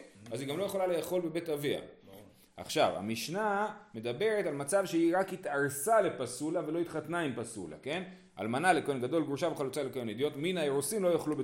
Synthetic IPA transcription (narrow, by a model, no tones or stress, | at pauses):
aziɡamlo̞je̞χo̞lalejaχo̞lbe̞betavia̰ | a̰χʃava̰miʃname̞d̪abe̞ʁetalmat͡savʃeiʁakhit̪aʁsale̞pasulave̞lo̞it̪χat̪naimpasṵla̰ke̞n | a̰lmanalekajonɡad̪o̞lɡʁuʃaveχalut͡salekajoned̪ijo̞tminaeʁusimlojaχlube